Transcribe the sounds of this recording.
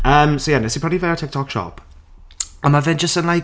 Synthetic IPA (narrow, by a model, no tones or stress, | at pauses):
əːmsojɛnɛsipʰɹɔblivɛɔtʰɪk̚tʰɔkʃɔ̰p | amavɪnd͡ʒəstənlaj